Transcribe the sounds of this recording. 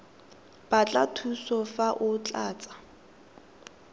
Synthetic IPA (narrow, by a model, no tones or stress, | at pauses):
b̥at͡ɬʼatʰusɔfaʔʊt͡ɬʼaːt͡sʼḁ